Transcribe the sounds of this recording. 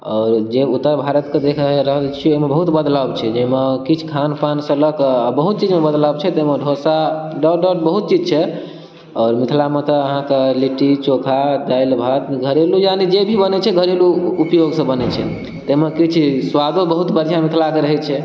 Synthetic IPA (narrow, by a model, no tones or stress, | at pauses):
ɔːɾd͡ʒeut̪ːəɾbʱaɾət̪ked̪ekʰɾəɦəlt͡ʃʰiemebəɦut̪bəd̪ləbt͡ʃʰɛd͡ʒemekit͡ʃʰkʰanpansə̃ləkbəɦut̪̚t͡ʃid͡ʒmebəd̪ləbt͡ʃʰɛt̪emeɖʱosaɖəɖəʈbəɦut̪̚t͡ʃid͡ʒt͡ʃʰɛ | ɔːɾmit̪ʰlamet̪əəɦãkeliʈit͡ʃokʰad̪əjlbʱat̪ɡʱəɾelujanid͡ʒebʱibənɛt͡ʃʰɛɡʱəɾeluːpjoɡsə̃bənɛt͡ʃʰɛ̰ | t̪emekit͡ʃʰswad̪obəɦut̪bəɾd͡ʒamit̪ʰlakeɾəɦɛt͡ʃʰɛ